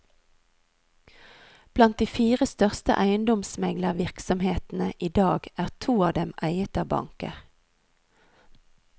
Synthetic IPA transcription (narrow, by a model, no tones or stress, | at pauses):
b̥lɑnt̪̚d̪iːfiːʁəst̪œʁst̪ə̰ʔæɪənd̪ɔmsmɛɡləʁʋɪʁksɔmheːt̪n̩əʔiːd̪ɑːɡʔæːʁt̪ʰuːɑːʋd̪ɛmʔæɪət̪ɑːʋbɑ̰ŋkə̰